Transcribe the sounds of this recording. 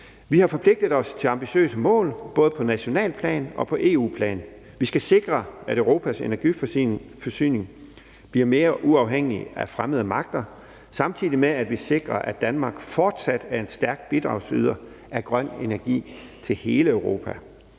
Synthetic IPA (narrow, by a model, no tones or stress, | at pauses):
ʋihɑ̈fɒ̽pʰle̝ɡ̥̚d̥ð̩ˠɒ̽st͡sʰe̝lɑ̈mb̥iɕø̰ːsəmɔ̰̽ːlb̥ɔ̽ːð̞̩ˠpʰɒ̽næɕo̝nɛ̰ːlpʰlɛ̰ːnɒ̽pʰɒ̽ʔe̝̰ːṵːpʰlɛ̰ːn | ʋisɡ̥æse̝ɡ̥ʁɐæɾøʊʁo̝ːpʰæse̝næɐɡ̥iffɒsy̰ːne̝ŋ | b̥liɐme̝ːɐʔuɑ̈ʊɦeŋ̰iæfʁaməð̞ˠəmɑ̈ɡ̥̚d̥ɐ | sɑ̈mt͡sʰiðˠimeæd̥ʋise̝ɡ̥ʁɐʔæ̥d̥ænmɑ̈ːɡ̥fɒːd̥sæd̥æɐe̝nsd̥æɐɡ̥b̥id̥ʁɑ̈ʊsyð̞ˠɐ | ʔæɐɡ̥ʁɶn̰e̝næɐɡ̥ḭː | t͡sʰe̝lhe̝ːləøʊʁo̝ːpʰæ